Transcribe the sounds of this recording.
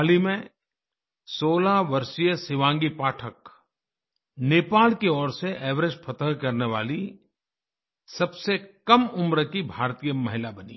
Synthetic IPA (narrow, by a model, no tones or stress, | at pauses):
aːlimẽ | soːlaʋɐɾʃijəsɪʋãːŋɡipaːʈʰək | neːpaːlkeɔːɾseʔɛːʋɾəd͡ʒpʰɐt̪ə̃ŋkɐɾneʋa̰ːli | sɐbsekɐmʊmɾəkibʱaːɾt̪ijəmɐɦɪlabɐnḭː